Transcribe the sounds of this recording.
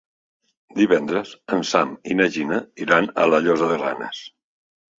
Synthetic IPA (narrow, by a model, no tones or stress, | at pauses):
d̪iβɛnd̪ɾəzənsaminəʒinəiɾanə̰ləʎozəðəra̰nḛs